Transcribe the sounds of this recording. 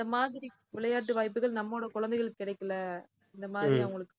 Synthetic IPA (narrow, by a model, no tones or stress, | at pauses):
ɪd̪ɐmaːðɪɾi | ʋɪɭɐjaːʈ̬ːɯʋaːjp̬ːɯɣɐɭnɐmːoːɽɐkʊɻɐnd̪ɛɪɣɐɭɯkːkːɪɽɐɪkːɐlɐ | ɪnd̪ɐmaːðɪɾiɐʊŋɡɐɭɯkːɯ